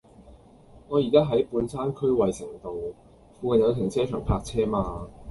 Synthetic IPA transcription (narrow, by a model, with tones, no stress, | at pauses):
ŋɔː˨˧jiː˨˩kaː˥ɦɐ˨˥jpuː˨˥nsaː˥nkʰɵ˥ɥwɐ˨jsɪ˨˩ŋt̪o˨w | fuː˧kɐ˨˩njɐ˨˧wt̪ʰɪ˨˩ŋt͡sʰɛː˥t͡ʃʰœː˨˩ŋpʰaː˧k̚t͡sʰɛː˥maː˧